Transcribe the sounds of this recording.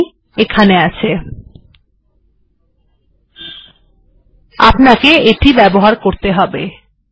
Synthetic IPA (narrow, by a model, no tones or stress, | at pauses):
ekʰaneat͡ɕʰe | apnakeeʈibɛboɦaɾkoɾt̪eɦɔbḛ